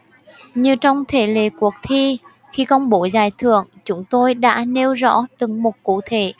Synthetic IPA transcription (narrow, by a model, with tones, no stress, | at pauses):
ɲɨ˧t͡ɕɔ˧wŋ͡mt̪ʰe˧˩lḛ˧˩ku˨˩ək̚t̪ʰi˧ | xi˧kɔ˧nɓo˧˦zaː˨˩jt̪ʰɨ˧˨əŋt͡ɕʊ˨˧˦ŋ͡mt̪o˧jɗa̰ː˧˥ne˧wzɔ̰˧˥t̪ɨ˨˩ŋmo˨˩t̚kṵ˧˥˨t̪ʰe˧˩˦